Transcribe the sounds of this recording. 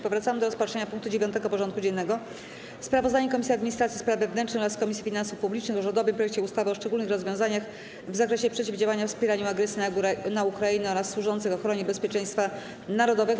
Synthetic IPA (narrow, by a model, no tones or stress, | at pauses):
pɔvɾat̪samɘd̪ɔɾɔspatʂɛɲapuŋk̚t̪ud͡ʑevʲjɔnt̪ɛɡɔpɔʐɔnt̪̚kud͡ʑɛnːɛɡɔ | spɾavɔzd̪aɲɛkɔmʲisʲiad̪mʲiɲist̪ɾat̪sʲispɾavvɛvnɛnt͡ʂnɨxɔɾaskɔmʲisʲifʲinansufpublʲit͡ʂnɘxɔʐɔd̪ɔvɘmpɾɔjɛk̚t͡ɕɛust̪avɘɔʂt͡ʂɛɡulnɘxɾɔzvʲjɔw̃zaɲax | vzakɾɛɕɛpʂɛt͡ɕivd͡ʑawaɲafspʲjɛɾaɲuaɡɾɛsʲjinanaukɾainɔɾasːwuʐɔnt̪sɘxɔxɾɔɲɛbɛspʲjɛt͡ʂɛj̃st̪fa | naɾɔd̪ɔvɛɡ